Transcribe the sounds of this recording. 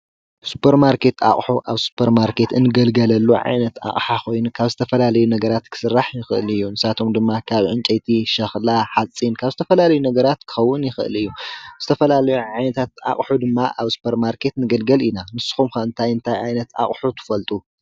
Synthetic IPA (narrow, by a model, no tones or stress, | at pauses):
su̥pʰeɾmaɾke̞t̪a̰χʼħuʔaβsu̥pʰɐɾmaɾkʰe̞t̪ɨnːɨɡɐlɡɐlɐlːuʕa̰jnɐt̪a̰χʼħaxʰo̞jnukʰaβzɨt̪ʰɐfɐlalɐjunɐɡɐɾat̪kʰɨ̥sɨrːaħjɪxɨʔɨlɨjːunɨsat̪ʰo̞md̪ɨmːakʰaβʕɨnt͡ʃʼɐjt̪ʰiʃɐxlaħat͡sʼːinkʰaβzɨt̪ʰɐfɐlalɐjunɐɡɐɾat̪kʰɨ̥xɐwːʊnjɪxɨʔɨ̰lɨjːuz̥ɨt̪ʰɐfɐlalɐjuʕajnɐt̪ʰat̪a̰kʼħud̪ɨmːaʔaβsu̥pʰɐɾmaɾkʰe̞t̪nɨɡɐlɡɐlinanɨsːɨ̥xumxɐɨnt̪ʰajɨnt̪ʰajʕajnɐt̪a̰χʼħut̪ʰɨ̥fɐlt̪ʼu